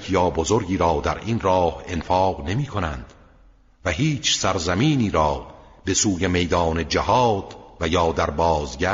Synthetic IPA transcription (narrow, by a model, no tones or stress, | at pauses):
jɒːbozoɾɟiːɾɒːd̪æɾiːnrɒːhe̞nfɒːqne̞miːkʰo̞nænd̪̥ | væɦiːt͡ʃʰsæɾzæmiːniːɾɒː | be̞suːje̞me̞jd̪ɒːne̞d͡ʒæhɒːd̪̥væjɒːd̪æɾbɒːzɡæ